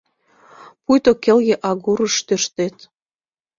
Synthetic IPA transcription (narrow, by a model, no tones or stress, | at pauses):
pujt̪okĕlɣĕʔɑɣuɾəʃt̪øʃt̪et̪